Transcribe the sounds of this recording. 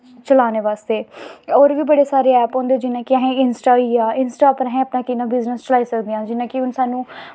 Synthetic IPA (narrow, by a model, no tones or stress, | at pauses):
t͡ʃəlaːneːʋaːst̪eːoːɾʋiːbəɽeːsaːɾeːɛːpɦõːnd̪eːd͡ʒɪnãːkɪəɦẽːɪnsʈaːiːaːɪnsʈaːpɾɦẽːəpnãːkɪnãːbɪznəst͡ʃəlaːiːsəkd̪ejãːd͡ʒɪnãːkɪʊnsaːnũː